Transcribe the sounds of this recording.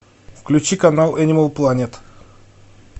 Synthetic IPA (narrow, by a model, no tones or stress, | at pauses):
fklʲʉt͡ɕikanalˠɛnʲɪməlˠplˠanʲet̪